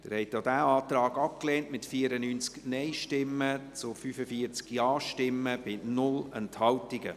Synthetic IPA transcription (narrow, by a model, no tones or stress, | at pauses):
d̥ɪɾhɛɪtd̪odæːɑːt̪rɑːɡɑp̚kleːntmɪtfiəɾənyːnt͡sknɛɪʃtɪmːət͡sʊfyfəfiəɾt͡skjɑːʃtɪmːəb̥ɪnʊlɛnthɑwtiɡə̰